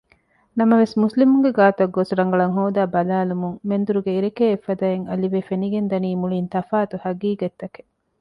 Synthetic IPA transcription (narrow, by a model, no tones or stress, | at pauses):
nɐmɐʋesmuslimuŋɡeɡaːt̪ɐɡːosuɾɐŋɡɐɭɐŋɦoːd̪aːbɐlaːlumuŋmend̪uɾuɡeiɾekeːfːɐd̪ɐeŋɐliʋefeniɡend̪ɐniːmuɭiːnt̪ɐfaːt̪uhɐɡiːɡet̪ːɐke̥